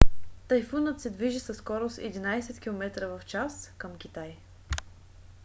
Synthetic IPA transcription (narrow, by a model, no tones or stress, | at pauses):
t̪ɐjfunət̪sɛd̪viʒisəsːkɔɾʊsɛ̰d̪inajsɛt̪kʲilˠomɛt̪ɾəvɐft͡ʃaskəmk̟ʲit̪aj